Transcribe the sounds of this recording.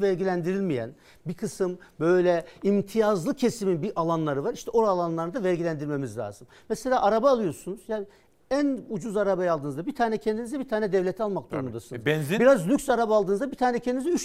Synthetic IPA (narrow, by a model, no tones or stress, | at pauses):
væɾɟilʲænd̪iɾilʲmijæ̰n | bikʰɯsɯmbø̞jlʲɛimt̪ʰijazlˠɯcʰe̞siminbiʔalˠanlˠaɾɯvaɾiʃt̪ʰɛʔoɾalˠanlˠaɾnɯd̪avæɾɟilʲænd̪iɾʲme̞mizlʲa̰ːzɯm | mɛselʲaːʔaɾabaːlˠɯjo̞ɾsunuzjaː | ænud͡ʒuzaɾabajalˠɯːnɯzd̪abit̪ʰaːnɛcʰɛnd̪inizd̪ɛbit̪ʰaːnɛd̪ɛvlʲet̪ʰialˠmak̚d̪uɾɾund̪asɯnznzbiɾazlʲykʲsaɾabaːlˠd̪ɯːnɯzd̪abit̪ʰaːnɛcʰɛnd̪inizɛyt͡ʃ